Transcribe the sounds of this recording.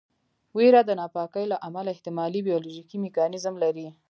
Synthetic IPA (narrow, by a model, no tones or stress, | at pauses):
weɾad̪ənɑpɑkəjlaʔamalaɪht̪ɪmɑlibijɑloʒikimɪkɑnɪzmlaɾi